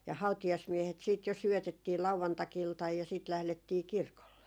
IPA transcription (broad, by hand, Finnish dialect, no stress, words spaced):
jɑ hɑutijɑsmiehet siːt jo syøtetːiː lɑuʋɑntɑkiltɑj jɑ siːt læhletːiː kirkolːe